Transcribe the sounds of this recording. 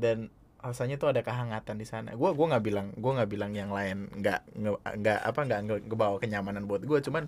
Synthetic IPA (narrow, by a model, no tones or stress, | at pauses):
dan | rasaɲat̪uadakəɦaŋat̪andisana̰ɡuaɡuaŋɡaʔbilaŋɡuaŋɡaʔbilaŋjaŋlaɪnŋɡa̰ʔəŋɡaʔa̰paŋɡaʔəɡəbawakəɲamananboat̪̚ɡuat͡ʃuman